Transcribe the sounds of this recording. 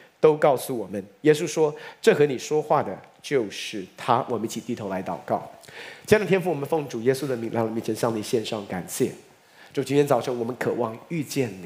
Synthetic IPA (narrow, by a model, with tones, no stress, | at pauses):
t̪o˥ʊkɑ˥˩ʊsu˨˩wɔ˨˩mə˦njɛ˥s̬u˥ʂwɔ˥ʈ͡ʂɤ˥˩xɤ˧˥ni˨˩ʂwɔ˥xwa˥˩d̪ə˩t͡ɕjo˥˧ʊʂɻ̩˥˩t̪ʰa˥wʔɔ˨˩mə˦ni˥˩t͡ɕʰi˨˩t̪i˥˩t̪ʰo˧˥la˧˥ɪt̪ɑ˨˩ʊkɑ˥˩ʊt͡ɕd̪t̪jɛ˥nfu˥˩wɔ˨˩ə˦nfɤ˥˩ŋʈ͡ʂu˨˩jɛ˥su˥d̪ə˧˨mi˧˥ŋla̰˧˥lɔ˨˩mi˧˥˩ʈ͡ʂʰə˧˥ŋɕjɑ˥˩ŋni˨˩ɕjɛ˥˧nʂɑ˥˩ŋka˨˩nɕjɛ̰˥˩ | ʈ͡ʂʊt͡ɕi˧˥njɛ˧˥nt͡sɑ˨˩ʊʈ͡ʂʰɤ˧˥ŋwɔ˨˩mə˦nkʰɤ˨˩wɑ˥˧ŋy˥˧t͡ɕjɛ˥˩nni˨˦˩